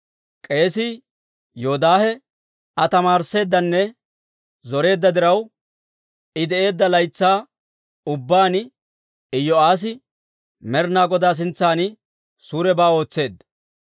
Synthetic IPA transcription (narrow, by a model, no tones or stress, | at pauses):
kʼe̞ːsi | joːd̪aːhɛ | ɐt̪ɐmaːɾse̞ːd̪ːɐnːɛ | zɔɾe̞ːd̪ːɐd̪ɪɾɐw | ɪd̪ɛʔe̞ːd̪ːɐlɐjt͡sːaː | ʊbːaːnɪ | ɪjɔaːs̬ɪ | mɛɾnaːɡɔd̪aːs̬ɪnt͡sːaːnɪ | suːɾɛbaːo̞ːt͡sːe̞ːd̪